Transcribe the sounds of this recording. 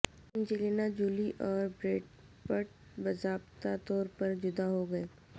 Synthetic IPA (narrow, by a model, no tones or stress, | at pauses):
ɪnd͡ʒileːnad͡ʒuːliʔɔːɾbɾeːʈ | pəʈ̚ | bɐzaːbt̪at̪ɔːɾpɐɾd͡ʒʊd̪aɦoɡɐeː